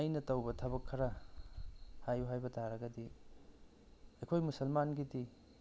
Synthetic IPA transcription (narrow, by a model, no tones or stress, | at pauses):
ɐjnɐtɐwbɐtʰɐβɐkʰːɐɾɐ | hajuɦajbɐtʰaɾɐɡɐdi | ɐjkʰojmusɐlmanɡidi